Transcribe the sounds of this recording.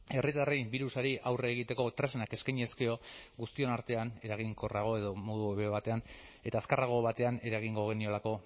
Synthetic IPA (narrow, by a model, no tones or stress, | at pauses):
e̞rit̪arebiɾusaɾiʔawreːɣ̞it̪e̞ko̞t̪ɾesenake̞skajɲe̞ske̞o̞ɣust̪io̞naɾt̪e̞ane̞ɾaɣ̞iŋko̞raɣ̞o̞e̞ðo̞mo̞ðueβeβat̪e̞ane̞t̪aːskaraɣ̞o̞βat̪e̞ane̞ɾaɣ̞iŋɡo̞ɣ̞e̞nio̞lako̞